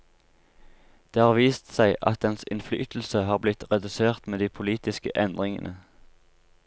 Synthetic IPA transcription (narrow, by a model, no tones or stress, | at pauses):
d̪̥eːhɑːʁʋiːst̪sæɪʔɑ̰t̪̚d̪ɛnsɪ̰nfly̰ːt̪l̩səɦɑːʁblɪt̪ʁɛd̪ʉseːʁt̪meːd̪iːpʰʊliːt̪ɪskə̰ʔɛnd̪ʁɪŋə̰nʔə